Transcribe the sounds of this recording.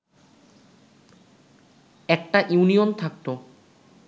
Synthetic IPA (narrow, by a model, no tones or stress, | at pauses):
ɛk̚ʈaʔjuniont̪ʰak̚t̪o